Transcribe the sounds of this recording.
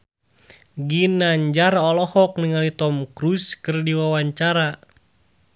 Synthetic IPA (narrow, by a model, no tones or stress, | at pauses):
ɡinaɲd͡ʒaɾɔlɔhɔk̚niŋalit̪ɔmkɾuskɨrdiwawaɲt͡ʃaɾa